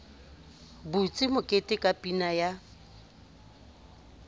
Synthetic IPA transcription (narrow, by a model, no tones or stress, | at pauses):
but͡sʼɪmʊkʼetʼɪkʼapʼinaja